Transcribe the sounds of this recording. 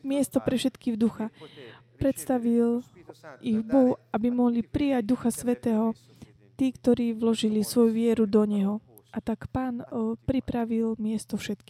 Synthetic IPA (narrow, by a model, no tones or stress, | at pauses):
mɪɛst̪ɔpɾɛfʃɛt̪kiːɣd̪uxa | pɾɛt̪st̪aʋil | iɣbɔɦuabimɔɦlipɾijaɟ̚d̪uxasʋɛt̪ɛːɦɔ | t̪iːkt̪ɔɾiːʋlɔʒilisʋɔjuʋɪɛɾud̪ɔɲɛɦɔ | ʔat̪akpaːnpɾipɾaʋilmɪɛst̪ɔfʃɛt̪ki̥ː